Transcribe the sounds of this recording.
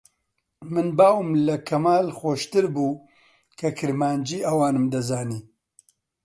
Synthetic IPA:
mɨnbaːwɨmlɐkʰɐmaːlxoːʃt̪ɨɾbuː | kʰɐkʰɨɾmaːnd͡ʒiːʔɐwaːnɨmd̪ɐzaːniː

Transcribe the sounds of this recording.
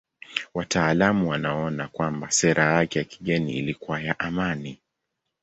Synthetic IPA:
watʰaːlamuwanaɔnakwambasɛɾʔajakɛjaki̥ɠɛnḭḭlikuwajaʔamani

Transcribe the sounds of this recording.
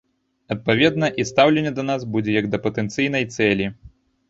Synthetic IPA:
ɐt̪̚pavʲɛd̪nɐʔist̪awlʲɛnʲːɛd̪ɐnazbud͡zʲɛjɐɡd̪ɐpɐt̪ɛnt̪sɨjn̪ɐjt̪sɛlʲi

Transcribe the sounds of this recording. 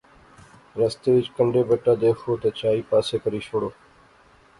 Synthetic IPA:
ɾəst̪eːʋɪt͡ʃkəɳɖeːbəʈaːd̪eːkʰoːt̪ət͡ʃaːiːpaːseːkəɾiːt͡ʃʰoːɽoː

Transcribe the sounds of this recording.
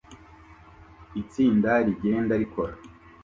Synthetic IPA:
it͡siːndaɾiɡe̞ːndaɾikʰo̞ɾa

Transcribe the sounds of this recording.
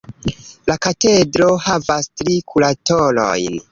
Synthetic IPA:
lakate̞dɾo̞havastɾikʰulatolo̰jn

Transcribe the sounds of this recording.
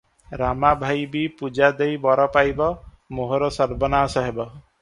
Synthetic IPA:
ɾamabʱajbipud͡ʒad̪ejbɔɾɔpajbɔ | moɦoɾɔsɔɾbɔnaːsɔɦebɔ

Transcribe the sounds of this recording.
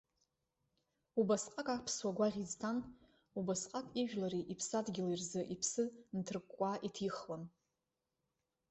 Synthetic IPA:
ubasqʼakʼapʰswaɡʷaʁʲiztʰan | ubasqʼakʼiʒᶣlaɾiʔipʰsadɡʲɪlirzɨʔipʰsɨntʰɨrɨkʷʼːaʔitʰiχlan

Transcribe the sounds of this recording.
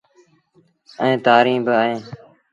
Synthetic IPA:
əẽːt̪aːɾĩːbəaɦẽː

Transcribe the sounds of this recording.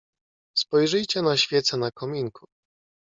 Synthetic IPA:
spɔjʐɘjt͡ɕɛnaɕfʲjɛt̪sɛnakɔmʲiŋkʰu̥

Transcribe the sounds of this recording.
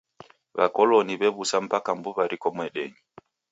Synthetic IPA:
βa̰kɔlɔniβɛβusam̩pakambuβaɾikɔmwɛɗɛɲi

